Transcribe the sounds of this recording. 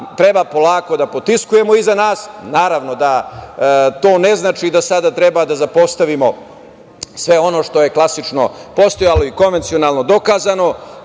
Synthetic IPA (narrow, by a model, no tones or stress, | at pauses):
t̪ɾebapo̞laːko̞d̪apot̪iskuje̞mo̞izanaːsnaːɾaʋno̞d̪a | t̪o̞ːne̞znaːt͡ʃid̪asad̪at̪ɾebad̪azapo̞st̪aʋimo̞ | sʋe̞o̞no̞ːʂt̪o̞jeklˠasit͡ʃno̞po̞st̪ojalo̞iko̞nʋe̞nt̪sio̞naːlˠnod̪o̞kaːzano̞